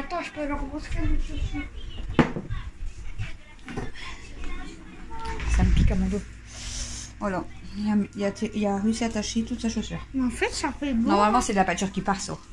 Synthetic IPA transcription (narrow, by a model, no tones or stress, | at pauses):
at̪ɑ̃ʃəpøalɔʁboskɛd̪səsĩ | saməpikamɔ̃d̪o | vwalajamijat̪ʰeʔijaʁeysiat̪aʃet̪ut̪saʃosyːʁmeɑ̃fɛt̪safɛbnɔʁmalmɑ̃sɛd̪əlapat̪yʁkʲipaʁsṵ